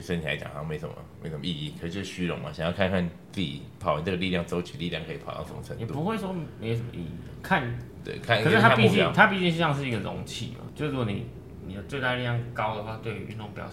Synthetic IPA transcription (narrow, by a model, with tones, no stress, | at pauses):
sə˥nt̪ʰla̰˧˦ɪt͡ɕa̰˨˩ŋha˧˥me˧˥ɪʂə˩mə̰˦me˧˥sə˨˩mə˦i˥˧i˥˩kʰə˨ʂɻ̩˥˩t͡ɕjo˥ʊʂ̩˥˧ɕy˥ɻo̰˧˥ŋma̰˨ɕa̰˨˩jɑ˥˧ʊkʰa˥˧nkʰa˥˧n | t͡si˥ḭ˨˩pʰɑ˨˩ʊa˨˦nt͡sə˥˩ɡə˨li˥˧jɑ˥˩ŋt͡so˥ʊt͡ɕʰy˨˩˦li˥˧ljɑ˥˩ŋkʰə˧i˨pʰɑ˨ʊt̪ɑ˥˩ʂə˧˦mə˩ʈ͡ʂʰə˧˦ŋ˨jɛ˨˩u˧pu˧˦we˥˩ɪʂwɔ˥me˧˥ɪ˧˩ʂə˨˩mə̰˧ʔḭ˥˩ḭ˥˩d̪ə˩kʰa˥˧nt̪wḛ˥˩kʰa˥˨nə˨˩ʂɻ̩ʰ˥˧a˥piu˥˧t͡ɕijɑ˥˨˦t̪ʰa˥pi˥˧t͡ɕi˥˧ŋʂ̩˥˧jɑ˥˧ŋʂ̬ɻ̩˥˩i˧˥ɡə˨ɻo̰˧˥ŋt͡ɕʰḭ˥˩ma̰˨˩t͡ɕjo˥˧ʊʂu˧ɡɔ˧nḭ˨˩ | ni˨˩d̪ə˩t͡swe˥˧ɪt̪a˥˧ə˧li˥˧ljɑ˥˩ŋkɑ˦˥ʊd̪ə˨xwa˥˧t̪we˥˩ɪ˨˩y̰˥˧nʊ˥˧ŋpjɑ̰˨˩ʊ